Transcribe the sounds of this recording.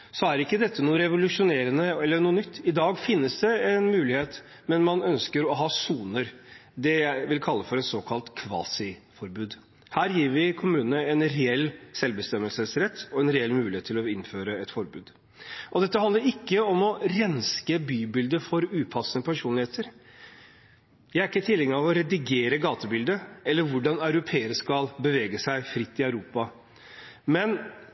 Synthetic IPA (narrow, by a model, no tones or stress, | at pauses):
sɔæɾɪkːəd̪ɛt̪ʰːənuːəɾɛʋʊlʉʂʊneːɾənəɛlːəɳuːənʏt̪ʰːɪd̪ɑːɡfɪnːəsd̪ɛɛnmʉːlɪheːt̪ | mɛnmɑnœnskəɾɔɦɑːsuːnəɾd̪ɛjæɪʋɪlkʰɑlːəfɔɾɛt̪soːkʰɑlt̪kʰʋɑ̰ːsɪfɔɾbʉːd̪ | hæːɾjiːɾʋɪkʰʊmʉːnənəɛnɾɛɛlːsɛlʋbəst̪ɛmːəlsəsɾɛt̪ʰːɔɛnɾɛɛlːmʉːlɪeːt̪ʰːɪlɔɪnføːɾəɛt̪fɔɾbʉːd̪ | ʔɔd̪ɛt̪ːəɑnd̪əɾɪkːəɔmɔɾɛnskəbyːbɪld̪əfɔɾʉːpʰɑsːənəpʰæʂuːnlɪheːt̪əɾ | jæɪæɾɪkːət̪ʰɪlːɛŋɑʋɔɾɛd̪ɪɡeːɾəɡɑːt̪əbɪld̪əɛlːəɾʋʊɖɑnɑʉɾʊpʰeːəɾəʂkɑlbəʋeːɡəsæɪfɾɪt̪ːɪɑʉɾuːpɑ | mɛn